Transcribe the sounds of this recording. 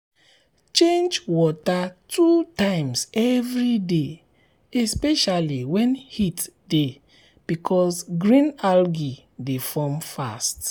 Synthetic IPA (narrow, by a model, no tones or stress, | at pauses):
t͡ʃẽnd͡ʒwɔtatutãɪ̃msɛvɹide | ɛspɛʃaliwɛ̃nhitde | b̥ikʰɔsɡɹĩnalɡi | defɔmfast